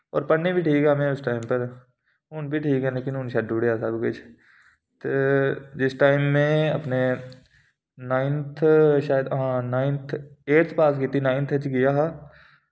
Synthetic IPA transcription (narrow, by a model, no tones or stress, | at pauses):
ɔ̰ːɾpɐɽnebʱiʈʰiːkɦɛmẽʊsʈaːɪmpɐɾ | ʊnbʱiʈʰiːkɦɛ̃leːkɪnʊnʃaːd̚uːɽeasaːbket͡ʃʰ | t̪ed͡ʒɪsʈaːɪmːẽɐ̰pne | naːɪnt̪ʰʃaːjəd̪ɦãnaːɪnt̪ʰeːʈt̪ʰpaːskiːt̪inaːɪ̃nt̪ʰɦɛt͡ʃɡɪjaɦa